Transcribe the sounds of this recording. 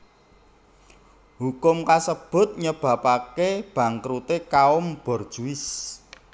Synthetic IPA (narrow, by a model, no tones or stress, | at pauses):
hukʊmkasəb̥ʊ̤t̪̚ɲəb̥ä̤pakeb̥ä̤ŋkɾut̪ekaʊmb̥ɔ̤rd̥ʒ̥uɪs